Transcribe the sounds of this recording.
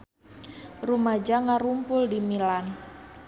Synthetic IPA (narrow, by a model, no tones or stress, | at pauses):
rumad͡ʒaŋaɾumpʊldimilan